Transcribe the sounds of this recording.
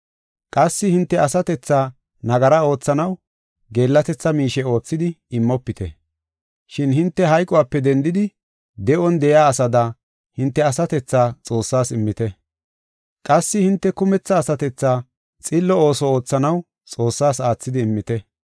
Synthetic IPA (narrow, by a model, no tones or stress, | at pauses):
kʼɐsːɪhɪnt̪ːɛɐsɐt̪ɛt͡sːaː | nɐɡɐɾɐo̞ːt͡sːɐnɐw | ɡe̞ːlːɐt̪ɛt͡sːɐmiːʃɛo̞ːt͡sːɪd̪ɪɪmːɔpːɪt̪ʰɛ̰ | ʃɪnhɪnt̪ːɛɦɐjkʼɔwaːpːɛd̪ɛnd̪ɪd̪ɪ | d̪ɛʔɔnd̪ɛjaːɐsɐd̪ɐ | hɪnt̪ːɛɐsɐt̪ɛt͡sːaːt͡sʼo̞ːsːaːsɪmːɪt̪ɛ | kʼɐsːɪhɪnt̪ːɛkʊmɛt͡sːɐːsɐt̪ɛt͡sːaː | t͡sʼɪlːɔoːsɔo̞ːt͡sːɐnɐw | t͡sʼo̞ːsːaːsaːt͡sːɪd̪ɪːmːɪt̪ɛ